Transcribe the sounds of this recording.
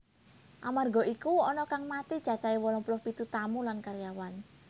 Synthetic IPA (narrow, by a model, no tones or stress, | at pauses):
ʔamarɡɔ̤ikuɔnɔkaŋmat̪i̥t͡ʃat͡ʃaiwɔlɔpulʊhpit̪ut̪amulankaɾjawan